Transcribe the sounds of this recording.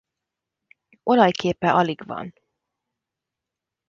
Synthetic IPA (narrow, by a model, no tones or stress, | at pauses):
ʔo̞lɒjkeːpɛʔɒliɡvɒ̰n